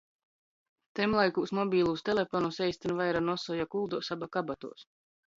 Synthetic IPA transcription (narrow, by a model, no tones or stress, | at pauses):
t̪ɛmlˠajkuːsmɔbʲiːlˠuːst̪elʲefɔnusɛjst̪ʲinvajɾanɔsɔjakulˠd̪uːsabakabat̪ṵɔs